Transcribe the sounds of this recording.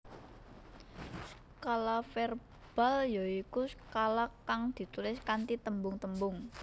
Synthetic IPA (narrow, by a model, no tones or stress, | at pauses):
kalafɛr | b̥a̤ljoikuskalakːaŋd̪̥i̤t̪ulɪskant̪it̪əmbʊŋt̪əmbʊŋ